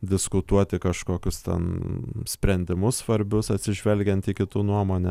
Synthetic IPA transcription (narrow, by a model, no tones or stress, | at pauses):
d̪ʲɪskʊt̪uɔt̪ʲɪkɐʃkoːkʲʊst̪ʲɛ̰nsʲpʲɾʲɛnʲd̪ʲɪmʊssʋɐɾʲbʲʊsɐt̪ʲsʲɪʒʲʋʲɛlʲɡʲɛnt̪ikʲɪt̪unuɔmoːnʲɛ